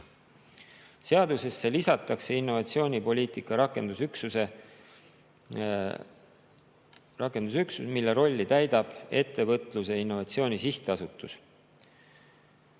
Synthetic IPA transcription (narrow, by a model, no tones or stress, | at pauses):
se̞ɑd̪use̞sːe̞lisɑt̪ːˑɑkse̞inːo̞vɑt̪sio̞ːnʲipo̞lʲiːt̪ˑikːˑɑɾɑkend̪̥usyksuse | rɑkːˑe̞nd̪̥usyksusmilːe̞ɾo̞lʲːit̪æjd̪̥ɑb̥e̞t̪ːe̞vɤt̪ˑluse̞inːo̞vɑt̪sio̞ːnʲisiht̪eɑsut̪ːˑus